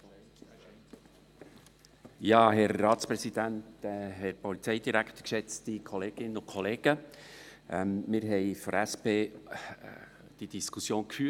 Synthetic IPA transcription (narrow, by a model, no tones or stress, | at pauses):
jɑːɦɛɾːɑːt̪t͡spɾɛsid̥̪æntɦɛɾpɔlit͡sɛɪjd̪iɾækʰt̪ə̥kʃɛt͡stikʰɔleːɡ̥ɪnːəʊnkʰɔleːɡ̥ə | ʔɛmmɪɾɦɛɪfɔɾæspeː | d̥id̥iskʰusjoːnkfyː